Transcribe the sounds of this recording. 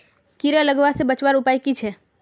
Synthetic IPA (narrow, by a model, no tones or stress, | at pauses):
kiɾələɡʋasebət͡ʃwaɾupajkit͡ʃʰɛ